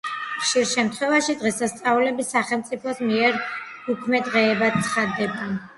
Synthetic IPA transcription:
χʃiɾʃɛmt̪ʰχwɛvaʃid̪ʁɛsast̪sʼaulɛbisːaχɛlˠmt̪sʼipʰɔsmiɛɾ | ukʰmɛd̪ʁɛːbat̪̚tsʰχad̪ːɛba

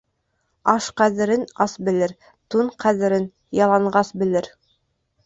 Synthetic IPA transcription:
ɑʃqæðɘ̆ɾɘnɑsbɘ̆lɘɾ | t̪uɴqæðɘ̆ɾɘn | jɑlˠɑɴɢɑsbɘ̆lɘɾ

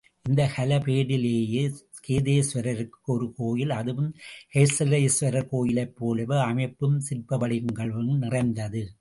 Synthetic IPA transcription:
ʔɪnd̪ɐxɐlɐpeːɽɪleːjeskeːðeːsʋɐɾɐɾɯkːɯɔɾɯkoːjɪlɐðɯʋɯmhɐɪsɐlɐɪsʋɐɾɐkoːjɪlɐɪpːoːlɐʋɯɐmɐɪpːɯmsɪrpɐʋɐɽɪɯŋɡɐɭʋɯnnɪrɐɪnd̪ɐðɯ

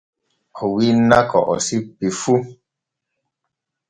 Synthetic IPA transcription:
ɔwinakɔ̰ʔɔ̰sipifu

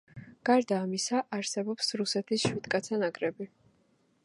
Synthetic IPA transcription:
ɡ̥aɾd̪aːmisaʔaɾsɛbɔpsɾusɛt̪ʰisʃwid̪̥kʼat̪sʰanaɡʼɾɛbi

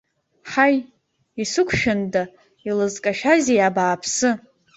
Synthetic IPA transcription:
ħaj | isɨkʷʰʃᶣʊnda | ilɨzkʼaʃᶣazijabaːpʰsɨ

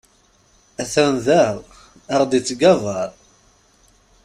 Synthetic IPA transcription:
æθænðæʁ | ɑʁd̪it͡sːɡævɑɾˤ

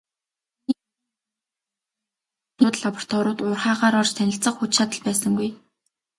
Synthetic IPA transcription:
uːt̪ɮapɔr̥t̪ʰɔɾʊːt̪ʊːrχaːʁaːɾɔrt͡ɕt̪ʰænʲɪ̆ɬt͡sə̆χxut͡ɕʃat̪ə̆ɮpæːsə̆ŋɡuj

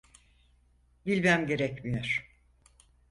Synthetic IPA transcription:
bilʲmæmɟe̞ɾɛcmijoɾ̥

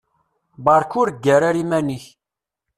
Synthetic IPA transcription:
bɑɾˤkʊɾɡːæɾaɾimæniç

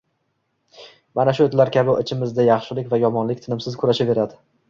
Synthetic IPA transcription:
manaʃʊet̪laɾkʲʰabɪɪt͡ʃʰɪmɪzd̪ajɑχʃɪlɪkʲvajɒmɒnlɪk̚ʲt̪ʰɪnɪmsɪzkʰʊɾaʃave̞ɾad̪ɪ

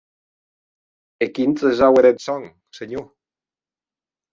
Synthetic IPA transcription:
ekint͡s̪ezaweɾet̪sɔŋ | seɲo

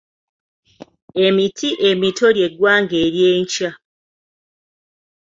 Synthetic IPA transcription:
e̞mitʰiʔe̞mitʰo̞ɾje̞ɡwaːŋɡeːɾjeːɲca

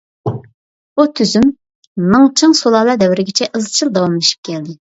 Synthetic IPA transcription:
ut̪ʰyzymː | ɨŋt͡ʃʰɨŋsolˠɑːlˠɑd̪ɛwɪɾɪɡʲɪt͡ʃʰɛʔəzˠɨt͡ʃʰilˠd̪ɑwɑmlˠɨʃi̥p̚kʲɛld̪ɪ

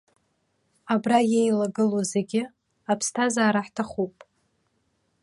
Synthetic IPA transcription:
abrajejlaɡɨlozeɡʲɪ | apʰstʰazaːɾaħtʰaχupʼ

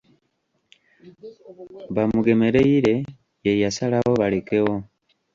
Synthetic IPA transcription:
βamuɡe̞me̞ɾe̞iɾe | jejasalaɣo̞βaleke̞ɣo̞

